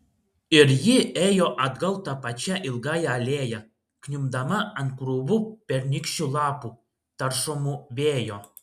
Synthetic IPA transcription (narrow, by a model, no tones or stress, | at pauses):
ɪɾjɪeːjoʔɐd̪ɡɐlˠt̪ɐpɐt͡ʃʲæʔɪlˠɡɑːjɛːlʲeːjɛ | knʲʊmd̪ɐmɐɐnt̪̚kɾubupʲɛɾʲnʲɪkʃʲulˠɑːpu | t̪ɐɾʃɔmuʋʲeːjo